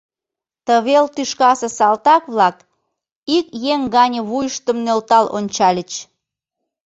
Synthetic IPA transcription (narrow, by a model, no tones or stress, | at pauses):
t̪əβelt̪yʃkɑsesɑlt̪ɑkβlɑk | ikjeŋɡɑnʲə̆βujəʃt̪əmnølt̪ɑlʔo̰nʲt͡ɕɑlʲət͡ɕ